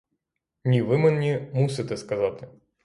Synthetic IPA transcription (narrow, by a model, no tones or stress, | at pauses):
nʲivɨmɨnnʲimusʲɨt̪ʲɛskɐzat̪ɨ